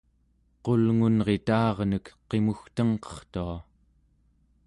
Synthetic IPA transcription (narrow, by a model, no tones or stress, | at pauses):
qo̞lŋunʁe̞t̪ɑːʁnəkqe̞muxt̪əŋqʌ̥χt̪ua